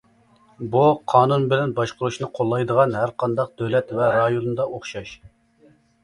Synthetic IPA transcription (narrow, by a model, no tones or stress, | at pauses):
buqʰɑːnunbɪlɛnbɑʃqʊɾuʃnɨqʰolˠːɑjd̪əʁɑnhæɾqʰɑnd̪ɑq̚d̪øwlɛt̪vɛɾɑjonɨnd̪ɑʔoχʃɑʃ